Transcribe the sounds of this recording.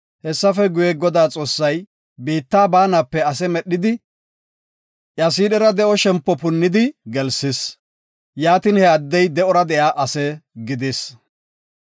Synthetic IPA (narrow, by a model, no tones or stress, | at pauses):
hɛsːɐfɛɡʊjɛɡɔd̪aːt͡sʼo̞ːsːɐj | biːt̪ːaːbaːnapːɛɐs̬ɛmɛɗːɪd̪ɪ | ʔjɐs̬iːɗɛɾɐd̪ɛʔɔʃɛmpːɔpʊnːɪd̪ɪɡɛlsɪs | jaːt̪ɪnhɛɐd̪ːɛjd̪ɛʔɔɾɐd̪ɛʔjaːʔɐsɛɡɪd̪es